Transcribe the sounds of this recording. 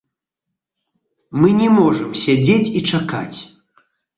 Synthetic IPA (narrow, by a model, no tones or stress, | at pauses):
mɨnʲɛmɔʐɨmsʲad͡zʲet͡sʲit͡ʂaka̰t͡sʲ